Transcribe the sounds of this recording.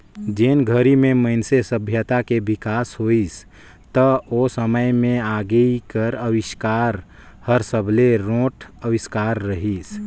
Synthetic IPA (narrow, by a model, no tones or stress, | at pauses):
d͡ʒenɡʱəɾimẽməɪnsesəbʱjət̪akebikaːsɦois | t̪əosəməjmẽaɡəikəɾəwɪʃkaɾ | həɾsəbʱleɾõːʈʰəwɪskaːɾːəɦis